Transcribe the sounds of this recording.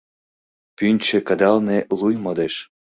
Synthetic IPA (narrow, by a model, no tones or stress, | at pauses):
pynʲt͡ɕĕkəd̪ɑlnelujmod̪eʃ